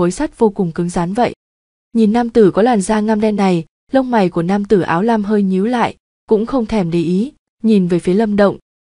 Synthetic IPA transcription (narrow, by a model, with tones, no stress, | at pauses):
o˨˦jsa˦˥k̚v̥o˧kʊ˨˩ŋ͡mkɨ˨˦ŋzaː˨˦nvə̰˧˨j | ɲi˨˩nːaː˧mt̪ɨ˧˩kɔ˨˦lwaː˨˩nzaː˧ŋaː˧mɗɛ˧nːa˨˩j | lə˧wŋ͡mma˨˩jku˧˩ənaː˧mt̪ɨ˧˩ʔa̰ː˨˦wlaː˧mɦəː˧jɲi˨˦wla̰ː˧˨j | kʊ̰˧˥ŋ͡mxə˧wŋ͡mt̪ʰɛ˧˩mɗe˧˩ʔi˨˦ | ɲi˨˩nvəː˨˦jfi˨˦lə˧mɗə̰˧˨wŋ͡m